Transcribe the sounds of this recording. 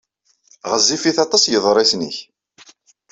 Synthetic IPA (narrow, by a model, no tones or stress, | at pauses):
ʁəzːifiθɑt̪ˤɑsjəðˤɾˤesniç